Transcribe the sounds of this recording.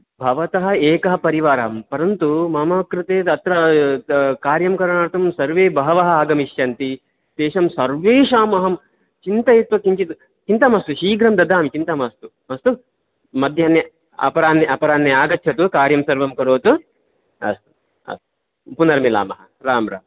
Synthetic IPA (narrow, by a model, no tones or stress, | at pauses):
bʱɐʋɐt̪ɐɦɐ̆eːkɐɦɐpɐɾiʋaːɾaːmpɐɾɐnt̪umɐmɐːkɾɪt̪eːt̪ɐt̪ɾɐ | kaːɾjɐmkɐɾɐɳaːɾt̪ɐmsɐɾʋeːbɐɦɐʋɐɦɐaːɡɐmiʃjɐnt̪i | t̪eːʃɐmsɐɾʋeːʃaːmɐɦɐm | t͡ʃint̪ɐjet̪ʋɐkiɲt͡ʃit̪u | t͡ʃint̪ɐmɐst̪uʃiːɡɾɐmd̪ɐd̪ʱaːmit͡ʃint̪ɐmɐst̪umɐst̪u | mɐd̪ʱjaːnjɐ | ɐ̰pɐɾaːnːɐʔɐpɐɾaːnːeaːɡɐtːʃʰɐt̪ukaːɾjɐmsɐɾʋɐmkɐɾoːt̪u | ɐ̰st̪u̥ | ɐ̰st̪u̥ | punɐɾɐmila̰ːmɐɦɐ | ɾaːmɾa̰ːm